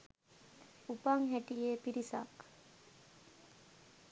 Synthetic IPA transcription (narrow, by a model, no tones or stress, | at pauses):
upaŋɦeʈijeːpiɾisa̰k